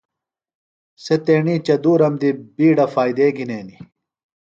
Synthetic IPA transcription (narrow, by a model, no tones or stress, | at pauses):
set̪eːɳit͡ɕɐd̪uːɾɐmd̪ibiːɖɐfaːjd̪eːɡineːni